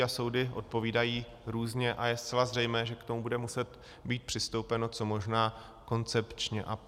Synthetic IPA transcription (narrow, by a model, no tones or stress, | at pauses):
aso̞wdɪʔo̞̰t̪̚po̞viːdajiː | ɾuːzɲɛʔajɛst̪t͡sɛlazrɛjmɛːʒɛkt̪o̞mubudɛmusɛt̪ | biːt̪̚pr̥ɪst̪owpɛno̞t͡so̞mo̞ʒnaː | ko̞nt͡sɛpt͡ʃɲɛʔa